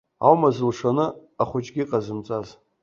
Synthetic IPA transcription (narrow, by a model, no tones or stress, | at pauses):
a̰wmazɨlʂanɨaχʷʊt͡ʃʼɡʲiqʼazɨmt͡sʼaz